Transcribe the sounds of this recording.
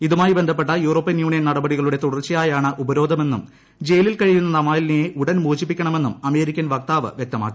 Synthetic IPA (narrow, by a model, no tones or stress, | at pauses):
iðumaːjibe̞nd̪ʱɐp̬ːe̞ʈːɐjuːro̞ːpːɐjɐnjuːɳijɐnɐɽɐbɐɽiɣɐɭuɽe̞t̪uɽɐrt͡ɕːijaːjaːɳɨʔubɐɾo̞ːd̪ʱɐme̞nːum | d͡ʑe̞jɐlilkɐɻijunːɐnɐmaːjlinejeʔuɽɐnmuːt͡ɕːip̬ːikʲːɐɳɐme̞nːumɐme̞ːɾikʲːɐnʋɐk̚t̪aːʋɨ̰ʋjek̚t̪ɐmaːkːi